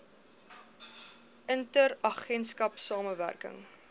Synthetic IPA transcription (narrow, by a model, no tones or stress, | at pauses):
ʔəntəɾɐχɛnskɐpsɑːməvæ̰rkə̰ŋ